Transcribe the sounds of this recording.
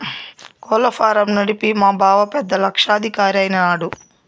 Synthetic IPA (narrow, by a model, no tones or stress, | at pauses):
kɔːlɐpʰaːɾɐmnɐɽipimaːbʱaːʋɐpɛd̪ːɐlɐkʂaːd̪ʱikaːɾɐjnɐnaːɽu